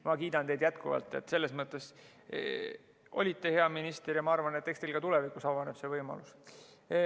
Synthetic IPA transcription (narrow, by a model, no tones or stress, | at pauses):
mɑkiːd̪̥ɑnt̪e̞jd̪jæt̪kuvɑ̰lt̪ːˑet̪ːse̞lːe̞smɤt̪ːˑe̞s | ʔo̞̰lʲit̪ːe̞he̞ɑminist̪erjɑmɑɑrvɑnet̪ːˑekst̪elɡ̥ɑt̪ulɛvikˑusɑvɑneb̥se̞vɤjmɑ̰lus